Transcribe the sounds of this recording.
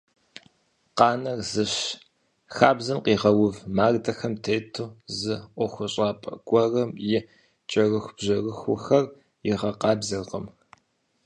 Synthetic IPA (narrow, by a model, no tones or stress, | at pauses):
qɑːnɐrzɨɕ | xaːbzɐmqiːʁɐwʊvmaːrdɐxɐmtʰeːtʰuːzɨʔʷɔxʷɔɕʼɑːpʼɐ̰ɡʷʼɔrɐmjɪ | t͡ʃʼɐrɨxʷb̥ʑɐrɨxʷʊxɐr | jɪʁɐqɑːbzɐrʁə̰m